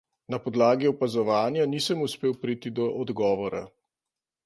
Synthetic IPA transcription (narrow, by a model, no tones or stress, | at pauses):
napɔd̪laːɡiɔpazɔʋaːnjaniːsəmuspeːwpɾit̪id̪ɔʔɔd̪ɡɔːʋɔɾa̰